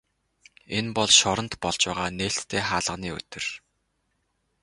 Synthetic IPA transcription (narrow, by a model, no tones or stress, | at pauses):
enpɔɮʃɔɾə̆nt̪pɔɮt͡ɕwæːʁaːneːɬt̪ʰːeːχaːɮə̆niːɵ̰t̪ɵ̆r